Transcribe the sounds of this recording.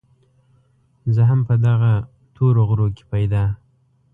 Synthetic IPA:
zəɦampəd̪aɣa | t̪ʰoɾoɣɾoke̥pajd̪ɑ

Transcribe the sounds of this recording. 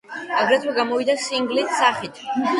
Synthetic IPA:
aɡɾɛt̪ʰwɛɡamɔvid̪asiŋɡlissaχit̪ʰ

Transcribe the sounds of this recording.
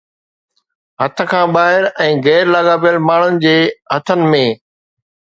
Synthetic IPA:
ɦɐt̪ʰə̆kʰãːɓaːɦɪɾɛ̃ːɣɛːɾlaːɡaːpijəlmaːɳ̤ʊnɪ̆d͡ʑeːɦɐt̪ʰənɪ̆mẽː

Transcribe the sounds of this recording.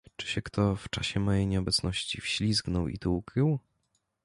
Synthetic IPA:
t͡ʂɘ̥ɕɛkt̪ʰɔft͡ʂaɕɛmɔjejɲɛɔbɛt̪snɔɕt͡ɕifɕlʲizɡnɔwḭt̪uukɾɘw

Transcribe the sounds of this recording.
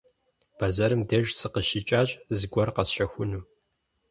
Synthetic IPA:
b̥ɐzɐɾɨmdɐʒsɨqəʃit͡ʃʼaːɕʼzɨɡʷɔrqɐsʃɐxʷʊnuː

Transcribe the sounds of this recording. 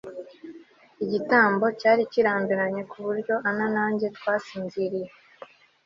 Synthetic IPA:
iɟitaːmbo̞caːɾiciɾaːmbiɾaɲe̞kuβuɾɟo̞ʔananaːɲɟe̞tkwaːsiːnziɾije

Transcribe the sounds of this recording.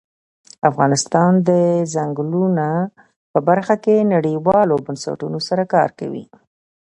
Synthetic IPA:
afɣɑnɪst̪ɑnd̪əzaŋɡluna | pəbaɾxakenaɽiwɑlobansa̰ʈunosaɾakɑ̰ɾka̰wḭ

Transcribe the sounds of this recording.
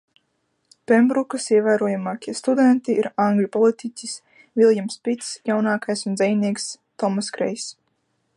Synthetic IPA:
pɛmbɾukasiɛvæːɾuɔjamaːkʲiɛst̪ud̪ɛnt̪iiɾãŋɡlʲupɔlˠit̪icʲis | vʲilˠjamspit̪sjawnaːkajsund̪zɛjniɛks | t̪ɔmaskɾɛ̰js

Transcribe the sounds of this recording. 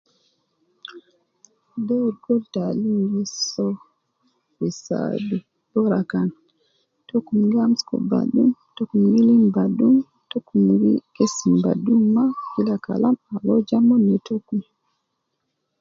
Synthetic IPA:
dɛɾɡɔltalimɡisɔ | wisa̰du | bɔɾakan | tokumɡamskɔ̰ba̰dṵmtokumɡilimbadum | tokːumwḭkesimba̰dumːakilaka̰lamawɔd͡ʒamɔnːɛtokum

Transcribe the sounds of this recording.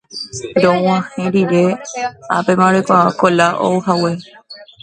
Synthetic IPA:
ɾõw̃ãhẽɾiɾea̰pemãɾekʷaakolaʔo̰wɦawe

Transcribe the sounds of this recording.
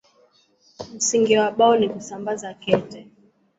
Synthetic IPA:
m̩siŋɡiwaɓaɔnikusambazakɛtɛ

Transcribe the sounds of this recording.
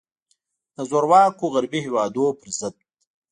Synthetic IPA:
d̪̥əzoɾwɑːkoɣaɾbihewɑːd̪opəɾzɪd̪̚

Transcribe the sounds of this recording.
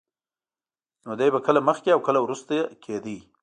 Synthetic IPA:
nod̪ajbakəlaməxkeawkəlawɾust̪ajekʰed̪i

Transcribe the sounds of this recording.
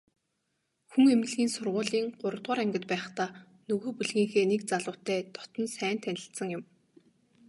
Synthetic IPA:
xuŋemɘ̆ɮɣiːnsʊrʁʊːɮiːŋɢ̥ʊɾə̆t̪ʁʊːɾæŋɡʲɪ̆t̪pæːχt̪aː | nɵɣoːpuɮɣiːŋxeːnek̚t͡saɮʊːt̪æːt̪ɔ̥t̪ɞ̆nsæːn̥t̪ʰænʲɪ̆ɬt̪sə̆ŋjʊ̆m

